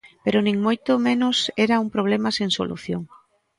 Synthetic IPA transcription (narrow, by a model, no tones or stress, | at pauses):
peɾʊnĩŋmojt̪ʊmẽnʊseɾauŋpɾoβ̞lemaseŋso̰lṵθjoŋ